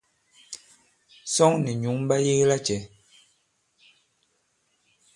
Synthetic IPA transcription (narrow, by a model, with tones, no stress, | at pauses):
sɔ˦ŋni˨ɲu˨˦ŋm˦ba˦je˦ɣla˦t͡ʃɛ˨˦